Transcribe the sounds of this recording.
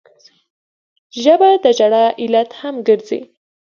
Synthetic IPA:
ʒəbad̪əd͡ʒaɽɑʔɪlat̪hamɡəɾzḭ

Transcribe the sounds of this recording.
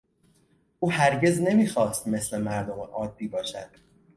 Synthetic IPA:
ʔuːhæɾɟe̞zne̞miːxɒːst̪me̞sle̞mæɾd̪omeʔɒːd̪ːiːbɒːʃæ̰d̪̥

